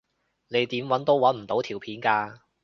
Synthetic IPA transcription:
ne˨˧jt̪iː˨˥mwɐ˨˥nt̪o˥wwɐ˨˥nm̩˨˩t̪o˨˥wt̪ʰiː˨˩wpʰiː˨˥nkaː˧

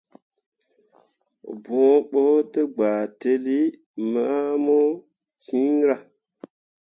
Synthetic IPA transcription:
bo˨˦ɓo˦te˦ɡ͡baː˨te˦li˦ | ma˦mo˦ | tĩ˦ŋ˦ɾa˨

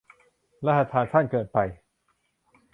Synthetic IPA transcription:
ɾa˦˥ha˧t̪ʰaː˧nt̪ʰa˥˩nkɤː˨˩t̪̚pa˧j

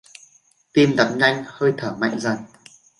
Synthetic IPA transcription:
t̪i˧mɗ̪ə˨˦˥m̚ɲa˧jŋ̟həː˧jt̪ʰəː˧˩ma̰˧˨jŋ̟zə˨˩n

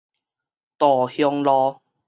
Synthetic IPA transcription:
t̪ɔː˨˩hjɔ˧ŋlɔː˧

